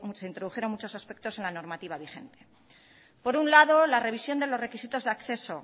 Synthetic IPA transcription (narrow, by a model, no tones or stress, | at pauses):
se̞int̪ɾo̞ð̞uxjeɾo̞ŋmut͡ʃo̞saspe̞k̚t̪o̞se̞nlano̞ɾmat̪iβ̞aβixe̞̰nt̪e̞ | po̞ɾunlaðo̞lare̞β̞isjo̞nd̪e̞lo̞zre̞kisit̪o̞zðeakθe̞so